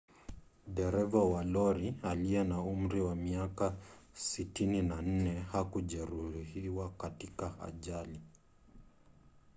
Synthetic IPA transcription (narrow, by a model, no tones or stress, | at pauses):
ɗɛɾɛvawalɔɾialijɛnaum̩ɾiwamiakasitininan̩nɛhakuʄɛɾuhiwakatikaha̰ʄali